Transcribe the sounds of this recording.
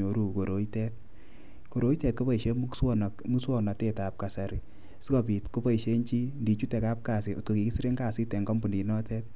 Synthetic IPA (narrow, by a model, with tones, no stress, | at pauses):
o˨ɾu˦˨ko˨ɾʔo˨˦i˦tɛ˦t̚ | ko˨ɾo˨˦i˦tɛ˨t̚ko˦pa˦i˨ʃe˦m˦sɔ˦n˨mu˦swɔ˦na˨te˦ta˨p̚ka˨sa˨ɾi˨ | si˦kɔ˦pi˨tko˦pa˦i˨ʃe˦ɲt͡ʃi˦ndi˨t͡ʃu˦tɛ˨ka˦p̚ka˨si˨o̰˨to˨ki˨ki˦si˦ɾe˦ŋka˦˨si˦tɛ˨ŋɡɔ˦mbu˨ni˨nɔ˦tɛ˦t̚